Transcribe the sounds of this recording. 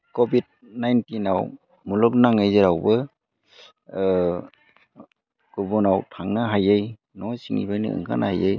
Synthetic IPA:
kobid̚ | najntinaw | mulɔk̚naŋɯjzɯɾawbɯ | kubɔnawtʰaŋnɯɦajej | nɔsiŋḭbajnɯ̰ɯ̰ŋkʰa̰nʔa̰hajej

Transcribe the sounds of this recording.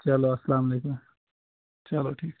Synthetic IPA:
t͡ʃɐloɐsɐlaːmɐleːkum | t͡ʃɐloʈʰiːk

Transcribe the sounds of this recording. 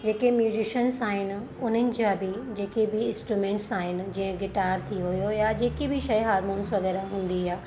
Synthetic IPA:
d͡ʑeːkemjuːzɪʃənsaːɦɪnɪ̆ | ʊn̤ənɪ̆d͡ʑãbɪd͡ʑeːkebɪɪ̃nsʈɾumẽːɳʈsaːɦɪnɪ̆d͡ʑĩə̃ɡɪʈaːɾt̪ʰiɦʊjojad͡ʑeːkebɪʃɐiɦaːɾmoːnsʋɐɣɛːɾaɦũːn̆d̪iaː

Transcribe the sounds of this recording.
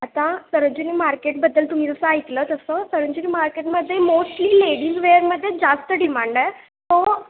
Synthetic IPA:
at̪ãsəɾəɲd͡ʑunimaɾkeʈ̚bəd̪ːəlt̪um̤iːd͡z̪əsəait̪ləːt̪əsəsəɾəɲd͡ʑunimaɾkeʈməd̪ʱːjemosʈliːleɽiːzʋeəɾməd̪ʱːjed͡zast̪əɖimaɳɖa | t̪o

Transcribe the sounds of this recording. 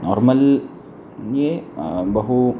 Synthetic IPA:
nɔɾməl | ɲebəɦu

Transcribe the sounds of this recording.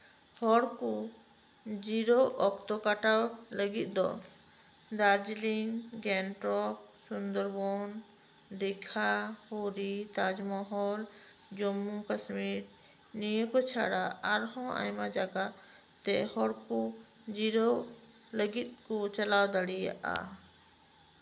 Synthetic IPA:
hɔɽkɔ | d͡ʒiɾɔʔɔkt̪ɔkaʈawləɡit̪̚ˀd̪ɔ̰ | d̪ad͡ʒliŋɡɛnʈɾɔk̚ | sund̪ɔɾbɔn | d̪ɛkʰahoɾit̪ad͡ʒmɔɦɔl | d͡ʒɔmːukasmiɾ | nijəkɔt͡ʃʰa̰ɽaaɾɦɔ̃a̰jmad͡ʒaɡa | t̪ɛ̰hɔɽkɔ | d͡ʒiɾɔ | ləɡit̪̚ˀkɔt͡ʃalawd̪aɽija̰ʔa̰

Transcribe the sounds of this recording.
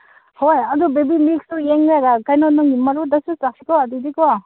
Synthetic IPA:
hojɐd̪ubebimik̚sujeŋɡaɡakajnɔnɔŋimɐɾudasusakikɔad̪idikɔ

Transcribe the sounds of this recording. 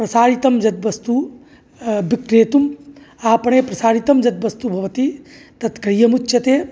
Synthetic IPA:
pɾɐsaːɾit̪ɐmd͡ʒɐt̪̚ʋɐst̪u | bikɾeːt̪um | aːpɐɳeːpɾɐsaːɾit̪ɐmd͡ʒɐt̪̚ʋɐst̪ubʱɐʋɐt̪it̪ɐt̪kɾijɐmut͡ʃːʃɐt̪eː

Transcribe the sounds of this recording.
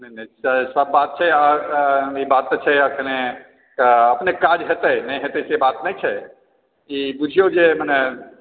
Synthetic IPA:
nɛnɛsəsəbːat̪̚t͡ʃʰɛa | ibat̪̚ːt͡ʃʰɛəkʰne | kəəpnekad͡ʒɦet̪ənɛɦet̪ɛsebat̪nɛjt͡ʃʰɛ | ibud͡ʒʱijod͡ʒemənɛ

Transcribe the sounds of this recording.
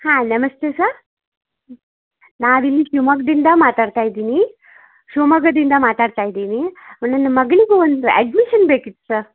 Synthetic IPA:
hãnəməst̪esəɾ | naʋilːiɕumək̚d̪ind̪amat̪aɽt̪ajd̪ini | ɕoməɡəd̪ind̪amat̪aɽt̪ajd̪inimənənːməɡliɡoʋənt̪uɛ̰ɖmiɕənbekit̪səɾ

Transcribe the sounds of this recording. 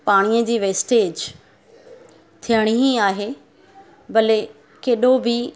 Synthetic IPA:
paːɽ̃ijəd͡ʑiːʋeːsʈeːd͡ʑ | t̪ʰijəɽ̃iɦiaːɦe | bɐle | keːɗobɪ

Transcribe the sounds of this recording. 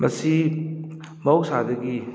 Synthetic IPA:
mɐsi | mɐksadɐɡi

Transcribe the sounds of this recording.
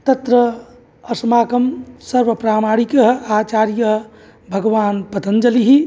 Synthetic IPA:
t̪ɐt̪ɾəː | smaːkəmsəɾʋəpɾaːmaːɽikəɦaːt͡ʃaːɾjəɦ | bʱəɡʋaːnpət̪ənd͡ʒɐliɦi

